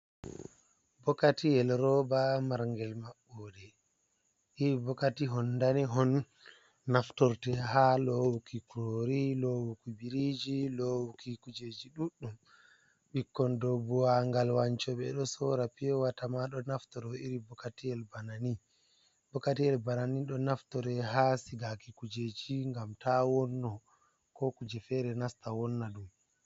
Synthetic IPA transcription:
bɔkatiɛlɾɔbamaɾŋɡɛlmaɓːɔdɛ | ʔiɾibɔkatiɦɔnːdaniɦɔnː | aftɔɾtɛɦalɔwukikoɾilowukubiɾid͡ʒilɔwukikud͡ʒed͡ʒiɗuɗːum | ɓikːɔndobuwaŋɡalwaɲt͡ʃɔɓɛɗɔsɔɾapiɔwatamaɗɔnaftɔɾɔiɾibɔkːatiɛlbanani | bɔkatijɛlbananiɗɔnaftɔɾɛɦasiɡakikud͡ʒed͡ʒiŋɡamtawɔnːɔ | kɔkud͡ʒɛfɛɾɛnastawɔnːaɗum

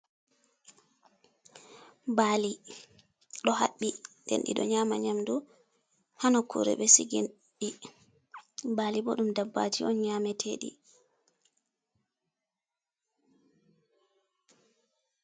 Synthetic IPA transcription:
baːli | ɗɔha̰ɓːindɛ̰nɗḭɗɔ̰ɲaːmaɲamdu | hanɔkʰṵɾɛ̰ɓɛsiɡin | ɗi | baːlibɔɗumdabːa̰tʰiɔnɲaːmɛtʰeːɗḭ

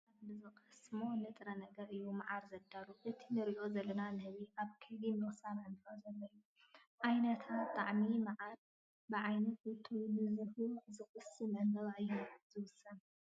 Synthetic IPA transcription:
aβlɨzokʼɐsmo̞nɨt̪ʼɾɐnɐɡɐɾɨjːumaʕaɾzɐd̪aluʔɨt̪ʰinɨɾiʔo̞zɐlːɐnanɨhɨβiʔaβkʰɐbimwɔsananɨfɐzɐlːɐjːu | ʕajnɐt̪ʰatt̪ʼaʕmimaʕal | bɨʕajnɐt̪ut̪ʰowbɨzuhuzɨxʼɨsimɨŋɡɐβajːuzɨwʊsɐn

